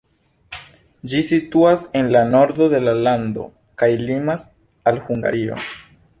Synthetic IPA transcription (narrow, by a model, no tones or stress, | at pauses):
d͡ʒisituase̞nlano̞ɾd̪o̞de̞lalando̞̰ | kajlimas | alhuŋɡa̰ɾio̞̰